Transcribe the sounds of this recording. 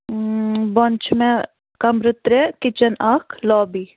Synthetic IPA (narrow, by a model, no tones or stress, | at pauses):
bɔnt͡ʃʰmɛ̃ | kɐmɾɪt̪ɾɛkɪt͡ʃɐnaːkʰlɔːbiː